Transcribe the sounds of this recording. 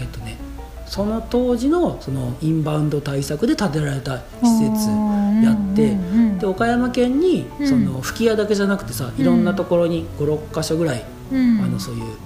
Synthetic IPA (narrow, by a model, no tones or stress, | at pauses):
et̪ːo̞ne̞ | so̞no̞t̪o̞ːʑino̞so̞no̞ĩmbãɯ̟̃nd̪o̞t̪aisakɯ̟d̪e̞t̪at̪e̞ɾaɾe̞t̪a | çi̥se̞t͡sɨjat̪ːe̞d̪̥e̞o̞kajamakẽ̞ɲ̟ːiso̞no̞ɸɯ̟̥kʲijad̪ake̞ʑanakɯ̟̥t̪ːe̞̥saiɾõ̞nːat̪o̞ko̞ɾo̞ɲ̟iɡ̥o̞ɾo̞kːaɕo̞ɡɯ̟ɾai | ano̞so̞ːjɯː